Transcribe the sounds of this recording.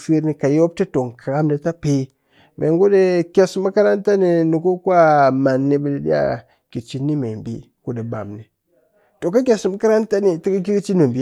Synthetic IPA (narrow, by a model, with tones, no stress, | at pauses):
fi˦ɾni˨ka˨jo˦b̚ti˦to˨ŋkʰa˨ɣa˦mde˨ta˦pe˦ | mʔḛ˨ŋɡu˦de˦kʲe˨sma˦ka˦ɾa˦nta˦ni˨nu˨ku˦kwa˦ma˨nːi˨˦be˨de˨dḭ˦a̰˦˨ | ki˨t͡ʃi˨nːi˦me˨mbḭ˦ | ku˨de˨ba̰˨mni˨ | to˨ka˦k̬ʲe˨sma˦ka˦ɾa˦n˦ta˦ni˨ti˦ka˦k̬i˦ɡt͡ʃi˦no˨mbi˨˦